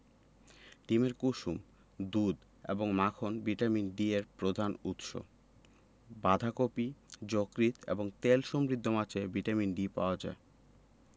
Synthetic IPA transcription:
ʈimeɾkuʃum | d̪ud̪ | ḛboŋmakʰonbiʈaminɖieɾpɾod̪ʱanut̪ʃo̰ | bad̪ʱakopid͡ʑokɾit̪ḛboŋt̪elʃɔmɾid̪ʱːomat͡ɕʰebiʈaminɖipa̰oad͡ʑa̰e

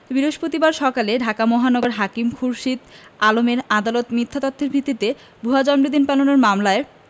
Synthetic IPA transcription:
biɾoʃpot̪ibaɾʃɔkaleɖʱakamɔɦanɔɡoɾɦakimkʰuɾʃid̪alomeɾad̪alot̪mit̪ʰːat̪ɔt̪ʰːeɾbʱit̪ːit̪e | bʱuɦad͡ʑɔmɾid̪inpalonoɾmamlae

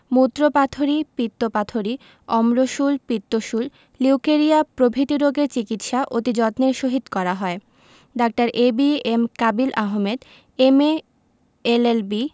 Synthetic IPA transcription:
mut̪ːɾopat̪ʰoɾipit̪ːopat̪ʰoɾi | ɔmɾoʃulpit̪ːoʃul | liwkeɾiapɾobʱit̪iɾoɡeɾt͡ɕikit̪ʃaʔot̪id͡ʑɔt̪neɾʃoɦit̪kɔɾaɦɔe | ɖak̚ʈaɾʔebiemkabilʔaɦmed̪ | eme | elelbi

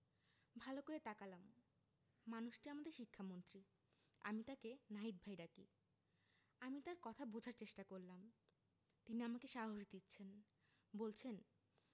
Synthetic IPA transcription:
bʱalokoet̪akalamː | anuʃʈiamad̪eɾʃikʰːamont̪ɾi | a̰mit̪akenait̪̚bʱajɾakḭ | amit̪aɾkɔt̪ʰabod͡ʑʱaɾt͡ɕeʃʈakoɾlːam | t̪iniamakeʃaɦoʃd̪itːɕʰen | bolt͡ɕʰen

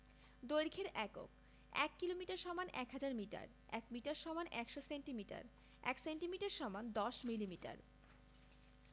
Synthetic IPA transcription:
d̪ojɾkʰeɾɛko̰k | ɛ̰kːilomiʈaɾʃɔmanɛkɦad͡ʑaɾmiʈa̰ɾ | ɛ̰kmiʈaɾʃɔmanʔɛkʃoseɳʈimiʈa̰ɾ | ɛ̰kseɳʈimiʈaɾʃɔmand̪ɔʃmilimiʈa̰ɾ

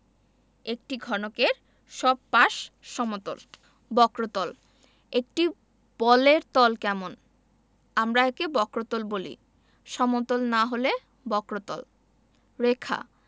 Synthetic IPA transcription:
ek̚ʈiɡʱɔnokeɾ | ʃɔb̚paʃʃɔmot̪o̰l | bɔkɾot̪ɔl | ek̚ʈi | b̥ɔleɾt̪ɔlkɛmon | amɾaekebɔkɾot̪olbolḭ | ʃɔmot̪olnaɦole | bɔkɾot̪ɔ̰l | ɾekʰa̰

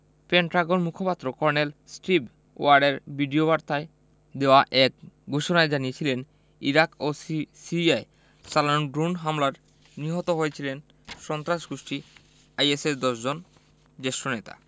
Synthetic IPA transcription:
peɳʈɾaɡonmukʰopat̪ːɾokɔɾnelsʈɾib | o̰aɾɖeɾbʱiɖiobaɾt̪ae | d̪eoaʔɛk̚ɡʱuʃonaed͡ʑaniet͡ɕʰilen | iɾakosiiae | t͡ɕalanonɖɾunɦamlaɾ | niɦot̪oɦojet͡ɕʰilen | ʃɔnt̪ɾaʃɡoʃʈi | ajeseɾd̪ɔʃd͡ʑon | d͡ʑeʃɾonet̪a̰

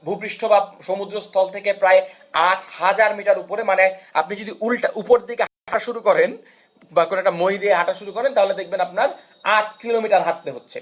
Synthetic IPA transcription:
bʱupɾiʃʈʰobaʃomud̪ɾost̪ʰɔlt̪ʰekepɾae | aʈʰhad͡ʑaɾmiʈaɾupoɾemanea̰pnid͡ʑod̪iʔulʈaʔupoɾd̪ikeɦʃuɾukɔɾen | bakonoɛk̚ʈamojd̪ieɦaʈaʃuɾukɔɾent̪aɦoled̪ek̚ʰbenapnaɾ | aʈkilomiʈaɾɦaʈ̪̚t̪eɦotːɕʰḛ

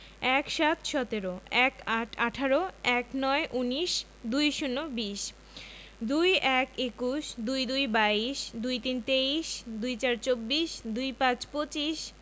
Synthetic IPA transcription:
ɛkʃat̪ʃɔt̪eɾoɛkaʈʰaʈʰaɾoɛknɔeʔuniʃ | d̪ujʃunːobiʃ | d̪ujʔɛkekuʃd̪ujd̪ujbaiʃd̪ujt̪int̪eiʃd̪ujt͡ɕaɾt͡ɕobːiʃd̪ujpãt͡ɕpot͡ɕiʃ

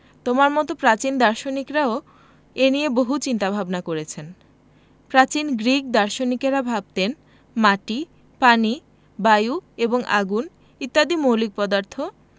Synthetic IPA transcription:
t̪omaɾmɔt̪opɾat͡ɕind̪aɾʃonikɾao | enijeboɦut͡ɕint̪abʱabnakoɾet͡ɕʰen | pɾat͡ɕinɡɾik̚d̪aɾʃonikeɾabʱab̚t̪en | maʈi | pani | bajueboŋʔa̰ɡun | it̪ːad̪imowlik̚pɔd̪aɾt̪ʰo

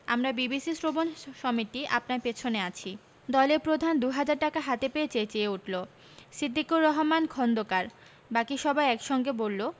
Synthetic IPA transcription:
a̰mɾabibisisɾobonʃɔmit̪ia̰pnaɾpet͡ɕʰoneat͡ɕʰi | d̪ɔleɾpɾod̪ʱand̪uɦad͡ʑaɾʈakaɦat̪epeet͡ɕet͡ɕeeuʈʰlo | sid̪ʱːikuɾːɔɦomankʰɔnd̪okaɾ | bakiʃɔbʱaeɛkʃɔŋɡebolːo

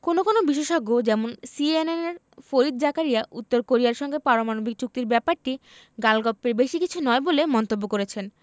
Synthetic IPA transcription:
konokonobiʃeʃoɡod͡ʑɛmonsieneneɾ | foɾid̪̚d͡ʑakaɾijaʔut̪ːoɾkoɾijaɾʃɔŋɡepaɾomanobik̚t͡ɕuk̚t̪iɾbɛpaɾʈi | ɡalɡɔpːeɾbeʃikit͡ɕʰunɔebolemɔnt̪obːokoɾet͡ɕʰen

